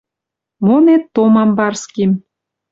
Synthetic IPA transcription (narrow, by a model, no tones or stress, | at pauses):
monet̪ːomɑmbɑrskim